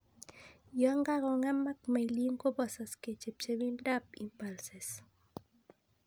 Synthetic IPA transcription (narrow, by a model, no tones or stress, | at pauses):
jɔŋɡaɾɔŋamak̚majliŋkobɔsasket͡ʃep̚t͡ʃewindapimpalses